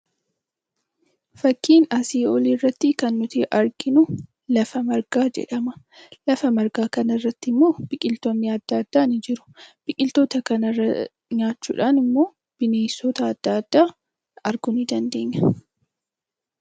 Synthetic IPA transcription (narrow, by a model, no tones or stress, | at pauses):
fɐkːiːnɐsiːɔlirːɐt̪ːɪkɐnːʊt̪iʔɐɾɡɪnʊ | lɐfɐmɐɾɡ̥aːd͡ʒɛ̰ᶑɐmɐ | lɐfɐmɐɾɡaːkɐnɐrːɐt̪ːɪmːo̞ːb̥ɪkʼɪlt̪oːnːɪɐd̪̥ːɐːd̪̥ːaːnɪd͡ʒɪɾʊ̥b̥ɪkʼɪlt̪o̞ːt̪ɐkɐnɐrːɐ | ɲaːt͡ʃːṵːᶑaːnɪmːo̞ː | b̥ɪneːsːot̪ɐːd̪̥ːɐːd̪̥ːaː | ɐɾɡʊnɪd̪ɐnd̪e̞ːɲːɐ̥